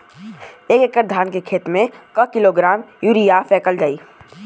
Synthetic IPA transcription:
eːkekːəɾd̪ʱaːnkekʰeːt̪mẽkəkɪloɡɾaːmjuɾijafɛːkəld͡ʒaːiː

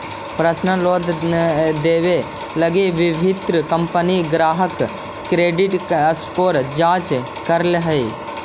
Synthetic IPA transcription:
pɾəsnəloːd̪ | d̪eːʋe | ləɡeʋɪbʱɪt̪ɾəkɐmpəniɡɾaːɦək | kɾeːɖɪʈəskoːɾd͡ʒãːt͡ʃ | kɐɾlɦəi

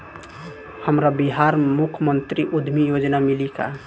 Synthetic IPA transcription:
həmɾabiɦaɾmukʰmənt̪ɾiʔud̪ʱmijod͡ʒnamilika̰

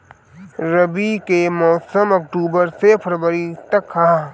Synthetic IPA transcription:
ɾɐbikemɔːsəmɐk̚ʈuːbəɾsepʰəɾbəɾit̪ɐkhɐã

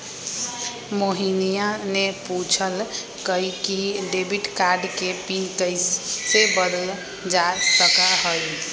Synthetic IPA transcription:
moɦinijaneput͡ʃʰəl | kəikiɖebiʈkaɾɖkepikəjsebəd̪əl | d͡ʒasəkaɦəj

